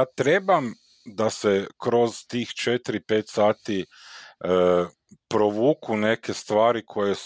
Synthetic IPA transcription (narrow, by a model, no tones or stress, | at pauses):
aːt̪ɾebam | d̪asekɾo̞zt̪iːxt͡ʃet̪iɾipet̪saːt̪i | pɾoʋuːkune̞kest̪ʋaːɾikʰo̞jes